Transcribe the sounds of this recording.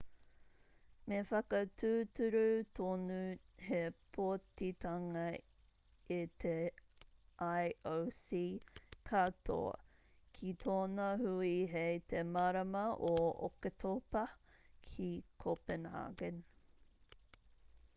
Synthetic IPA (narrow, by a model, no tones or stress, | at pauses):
mefɐkɐt̪ʉːtʉɾut̪ʰonu | hepʰoɐtit̪ɐŋɐ | it̪e | ʔajʔowsikʰatʰo̰ | kʰit̪ʰoːnɐhuiɦet̪ʰemɐɾɐmɐʔoo̰ket̪ʰopɐkʰikʰopɛnha̰ɡən